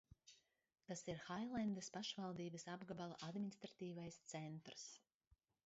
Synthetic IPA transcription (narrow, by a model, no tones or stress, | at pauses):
t̪asiɾxajlˠand̪əspaʃvalˠd̪iːbəsabɡabalˠaʔad̪mʲinʲist̪ɾat̪iːvajst̪sɛnt̪ɾs